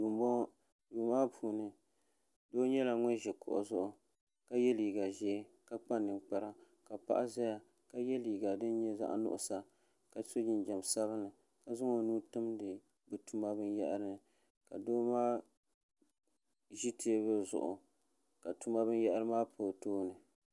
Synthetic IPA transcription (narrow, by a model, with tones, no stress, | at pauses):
ju˨mbɔ˦ | juː˨maː˦pʰuː˨nɨ˨ | doː˦ɲɛ˦la˨ŋɛ˦ʒɛ˨kʊ̰˨ʔʊ̰˨zʊ˦ʔʊ˦ | ka˦jɛ˦liː˨ɡa˨ʒɛː˦ | ka˦k͡pa˦nːɨ˨nk͡pa˨ɾa˦ | ka˨pa̰˦ʔa˦za˦ja˨ | ka˦jɛ˦li˨ɡa˨dɨ˦n˦ɲɛ˦za̰˦ʔnʊ̰˦ʔʊ˦˨sa˨ | ka˨so˦d͡ʒɪ˦nd͡ʒɛ˨msa˦βɨ˦nɨ˨ | ka˨zʊ˦ŋo˨nuː˦tɨ˦mdɨ˨ | bɨ˨tu˦ma˦bɨ˦n˦jɛ˦ʔɾɨ˦nɨ˨ | ka˨doː˦maː˦ | ʒi˦tʰe˦bɨ˦zʊ̰˨ʔʊ̰˨ | ka˨tu˦ma˦bɨ˦n˦jɛ˦ʔa˦ɾɨ˦maː˦pʰo˨toː˦nɨ˨